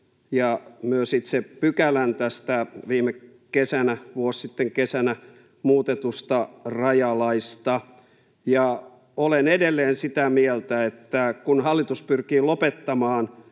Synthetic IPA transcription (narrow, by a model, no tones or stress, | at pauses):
jɑmyøsit̪sepykælænt̪æst̪æʋiːme | kesænæʋuossit̪ːeŋkesænæ | muːt̪et̪ust̪ɑrɑjɑlɑist̪ɑ | jɑ | olenedelːeːnsit̪æmielt̪æet̪ːækunhɑlːit̪uspyrkiːlopet̪ːɑmɑːn